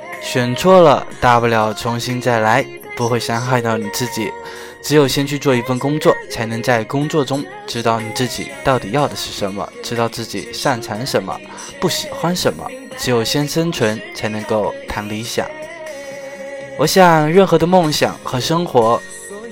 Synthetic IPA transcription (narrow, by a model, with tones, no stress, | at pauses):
ɕɥɛ˨˩nʈ͡ʂʰwɔ˥lə̰˨t̪a˥˩pu˥˩ljɑ˧˥ʊʈ͡ʂʰʊ˧˥ŋɕi˥nt͡sa˥˩ɪla˧˥ɪ | pu˧˥xwe˥˧ɪɕjɑ˥ŋxa˥˧ɪt̪ɑ˥˩ʊni˨˩t͡sɹ̩˥˩t͡ɕḭ˨˩ | ʈ͡ʂɻ̩˧˥jo˨˩ʊɕjɛ˥nt͡ɕʰy˥˧t͡swɔ˥˧˩i˧˥fə˥˩nkʊ˥ŋt͡swɔ˥˩t͡sʰa˧˥ɪnɤ˧˥ŋt͡sa˥˩ɪkʊ˥ŋt͡swɔ˥˧ʈ͡ʂʊ˥ŋ | ʈ͡ʂɻ̩˥t̪ɑ˥˩ʊni˨˩t͡sɹ̩˥˩t͡ɕḭ˨˩˦t̪ɑ˥˩ʊt̪i˨˩jɑ˥˩ʊd̪ə˩ʂɻ̩˥˩ʂə˧˥nmə̰˧ʈ͡ʂɻ̩˥t̪ɑ˥˧ʊt͡sɹ̩˥˩t͡ɕḭ˨˩ʂa˥˩nt͡sʰa˧˥nʂə˧˥nmə̰˧ | pu˥˩ɕi˨˩xwa˥nʂə˧˥nmə̰˧ | ʈ͡ʂɻ̩˧˥jo˨˩ʊɕjɛ˥nʂə˥nt͡sʰwə˧˥nt͡sʰa˧˥ɪnɤ˧˥ŋko˥˩ʊt̪ʰa˧˥nd̪ə˧i˧˥ɕjɑ̰˨˩˦ŋ | wɔ˨˩ɕjɑ˨˩ŋŋɻə˥˩nxɤ˧˥d̪ə˧mʊ˥˩ŋɕjɑ̰˨˩ŋxɤ˧˥ʂɤ˥ŋxwɔ˧˥